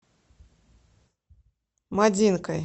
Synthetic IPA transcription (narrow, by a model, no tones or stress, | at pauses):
mad͡zʲinkɐj